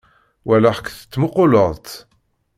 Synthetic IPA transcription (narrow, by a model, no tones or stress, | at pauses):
wælaħə̥kːθə̥t͡s̪ːmʊqʊləðˤt̪